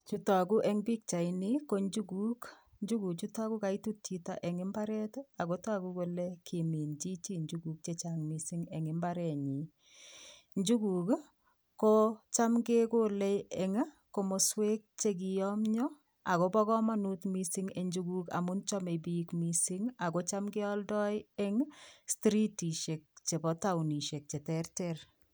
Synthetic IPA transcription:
t͡ʃu˦ta˨ku˦ʔɛ˦ŋbi˦k̚t͡ʃa˨ini˦ko˦ɲd͡ʒu˦ɡu˦k | ɲd͡ʒu˦ɡu˨kt͡ʃu˦ta˦ku˦ka˨i˦tu˦tːi˦ta̰˨ʔɛ˨ŋɪ˦mba˦ɾɛ˦ta˨ko˦ta˦ku˦ko˨le˦kʰi˨mi˨nd͡ʒi˦t͡ʃi˦ɲd͡ʒuɡu˨k̚t͡ʃe˨t͡ʃaŋmi˨si˦ŋɛ˨ŋɪ˦mba˦ɾɛ˨ɲi˨ | ɲd͡ʒu˦ɡu˨k | ko˦t͡ʃa˦mɡe˦ko˦le˦ɛ˨ŋ˦ | ko˨mo˨swe˦k̚t͡ʃe˦k̬i˨jɔ˦mɲɔ˦ | a˨ko˦bɔ˦ɣɔ˦ma˦nu˦tmi˦si˦ŋe˨ɲd͡ʒu˦ɡu˦ka̰˨mu˦nt͡ʃɔ˦me˨bi˦kmi˦si˦ŋa˨ko˦t͡ʃa˦mɡɪ˦ɔ˦ldɔ˦ɪɛ˦ŋstɾi˦ti˨ʃe˨k̚t͡ʃe˨bɔ˨˦ta˦wuni˨ʃe˨k̚t͡ʃe˨tɛ˦rtɛr

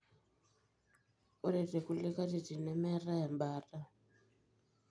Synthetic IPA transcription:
u˦ɾe˨te˨ku˦li˦ka˦ti˨ti˨nɛ˦mɛ˦ra˦ja˨mbaː˦ta˦

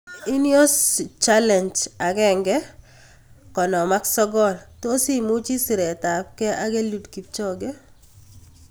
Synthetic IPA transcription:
i˦njo˦st͡ʃa˦lɛ˨nd͡ʒa˨ɡɛ˦˨ŋɡɛ˦ | kɔ˨nɔ˨ma˦ksɔ˦ɡɔ˦˨lto˦si˦mʊ˦t͡ʃi˦si˨ɾɛ˨ta˨p̚kɛ˦ʔa˦ɡe˦lu˨dki˨p̚t͡ʃɔ˦˨ɡɛ˦

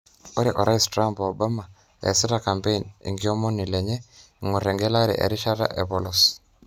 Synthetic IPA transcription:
o˦ɾɛ˨ʔɔ˨ɾʔa˦istɾa˦mpɔ˨ba˦ma˨ | ɛ̰˨si˦ɾa˨ka˨mpe˦i˨nḭ˨ŋɡi˦ɔ˦mɔ˦ni˨lɛ˨ɲɛ˦˨ | ŋɔ˨ɾɛ˨ŋɡɛ˦la˦ɾɛ̰˨ʔḛ˨ɾi˦ʃa˦ɾa̰˦ʔe˨bɔ˦lɔ˨s

